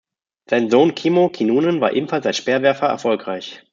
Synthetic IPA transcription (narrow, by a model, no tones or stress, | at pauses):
z̥aɪnzoːnkʰiːmokʰinuːnənvaːɐʔḛːbm̩falsaɪtʃpɛːɐvɛɐfɐʔɛ̰ɐfɔlkʁ̥aɪç